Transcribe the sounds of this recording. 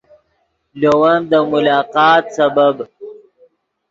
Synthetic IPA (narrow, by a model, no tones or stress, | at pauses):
lowand̪əmʊlɑːqɑːt̪sabab